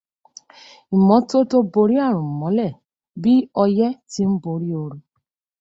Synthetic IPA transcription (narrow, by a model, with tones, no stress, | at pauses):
i˨mɔ̃˨˦to˦to˦bo˧ɾi˦a˦˨ɾ̃ʊ̃˨m̩˨mɔ̃˨˦lɛ˦˨ | bi˦ɔ˧jɛ˦ti˦m̩˦bo˧ɾi˦o˧ɾu˧